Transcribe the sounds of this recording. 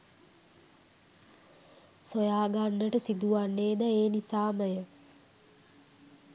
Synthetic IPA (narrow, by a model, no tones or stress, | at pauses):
sojaːɡanːəʈəsid̪uʋanːeːd̪əeːnisaːməjə